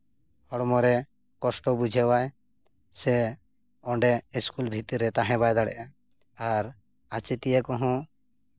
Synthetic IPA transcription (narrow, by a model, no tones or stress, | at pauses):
hɔɽmɔɾɛ | kɔsʈɔbud͡ʒʱɛwaj | sɛ | ɔɳɖɛiskulbʱit̪iɾɛt̪aɦɛ̃bajd̪aɽɛ̰ʔa | aɾ | at͡ʃit̪ijɛkɔɦɔ̃